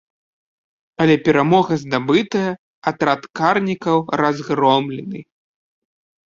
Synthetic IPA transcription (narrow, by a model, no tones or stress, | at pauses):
ɐlʲɛpʲɛɾamɔɣɐzd̪abɨt̪ɐjɐ | at̪ɾat̪karnʲikɐwɾazɣɾɔmlʲɛnɨ